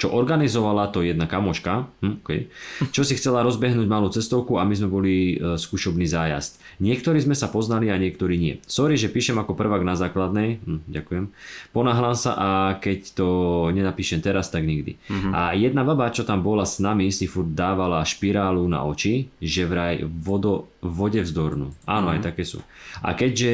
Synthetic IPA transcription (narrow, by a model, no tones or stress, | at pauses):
t͡ʃɔʔɔɾɡanizɔʋalat̪ɔjɛd̪nakamɔʃkaɦm̩ɔkɛ̰jt͡ʃɔsixt͡sɛlaɾɔzbɛɦnuːɟmaluːt͡sɛst̪ɔʊkuamizmɛbɔliskuːʃɔbniːzaːja̰st̪ɲɪɛk̚t̪ɔɾiːzmɛsapɔznaliaɲɪɛkt̪ɔɾiːɲɪɛ̰sɔɾiʒɛpiːʃɛmakɔpr̩ʋaɡnazaːklad̪nɛjm̩ɟa̰kujɛmpɔnaɦlaːmsa̰ʔakɛct̪ɔɲɛnapiːʃɛmt̪ɛɾast̪aɡɲiɡd̪ḭa̰jɛd̪̚nababat͡ʃɔt̪ambɔlasnamisifuɾd̪d̪aːʋalaʃpiɾaːluna̰ʔɔt͡ʃiʒɛʋɾajʋɔd̪ɔːɔɟɛvzd̪ɔɾnṵːaːnɔa̰jt̪akɛːsṵːʔa̰kɛɟʒɛ